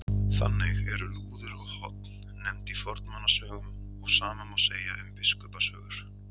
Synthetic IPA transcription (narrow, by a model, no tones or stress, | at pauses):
θa̰nːeɣɛɾʏluːðʏɾɔɣhɔ̰t̪nːɛmt̪ifɔɾt̪nmanːasœːɣʏm | ɔɣsaːmamawseːja̰ʔʏmpɪskœpasœːɣʏɾ̥